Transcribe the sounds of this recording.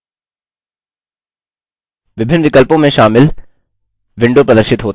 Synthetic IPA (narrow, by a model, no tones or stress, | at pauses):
ʋɪbʱɪnːʋɪkəlpõmẽʃaːmɪl | ʋɪ̃ɳɖopɾɐəd̪əɾʃɪt̪ɦoːt̪